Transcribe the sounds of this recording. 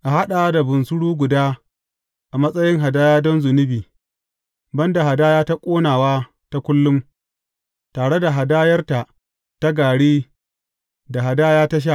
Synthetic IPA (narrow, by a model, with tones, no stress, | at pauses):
ʔa˨ɦa˦ɗa˨˦da˨bʊ˨nsʊ˦ɽuː˦ɡʷʊ˨daː˦ | ʔa˨mɐ˦sʼɐ˦jɪ˦ŋɦa˨daː˦jaː˦dɔ˦nzʊ˨nɪ˦biː˨ | bɐ˦nda˨ɦa˨daː˦jaː˦ta˦kʷʼoː˦naː˨waː˦ | ta˦kʷʊ˦lːʊ˦m | taː˨ɽe˦da˨ɦa˨daː˦jɐ˦rta˨ʔ | ta˦ɡaː˨ɽiː˦ | da˨ɦa˨daː˦jaː˦ta˦ʃ̬a˦˨